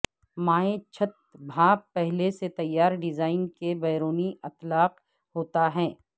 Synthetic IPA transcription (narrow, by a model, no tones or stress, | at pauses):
maːẽt͡ʃʰɐt̪̚bʱaːbpɛɦleset̪ɐjːaːɾɖɪzaːɪnkebɛːɾoːniɐt̪laːq | ɦoːt̪aɦɛ̃ː